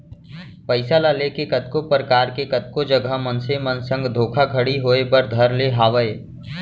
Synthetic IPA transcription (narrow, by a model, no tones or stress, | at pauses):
pəɪsalalekekət̪̚kopɾəkaːɾkekət̪̚kod͡ʒəɡəmənsemənsə̃ŋɡd̪ʱoːkʰaɡʱəɽiɦoːebəɾd̪ʱəɾleɦaːʋəe